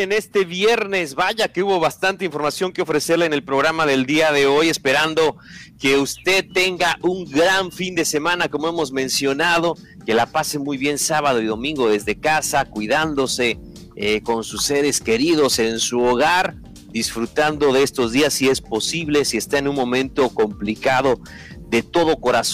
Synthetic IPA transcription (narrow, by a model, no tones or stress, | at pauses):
ene̞st̪e̞βje̞ɾne̞zβaʝake̞uβo̞βast̪ant̪e̞iɱfo̞ɾmasjo̞ŋkeo̞fɾe̞seɾlaene̞lpɾo̞ɣɾamaðe̞ld̪iaðe̞o̞je̞spe̞ɾand̪o̞ke̞ust̪e̞ðt̪e̞ŋɡaʔuŋɡɾaɱfind̪e̞se̞mãnako̞moe̞mo̞zmẽ̞nsjo̞nað̞o̞ke̞lapase̞mujβje̞nsaβað̞oiðo̞mĩŋɡo̞ðe̞zðe̞kasakwiðand̪o̞se̞ | eko̞nsusːe̞ɾe̞ske̞ɾið̞o̞se̞nsuoɣaɾ | d̪isfɾut̪and̪o̞ðeest̪o̞zðiasːie̞spo̞siβle̞sie̞st̪aenunmõ̞mẽ̞nt̪o̞ko̞mplikað̞o̞ | ðe̞t̪o̞ðoko̞ɾas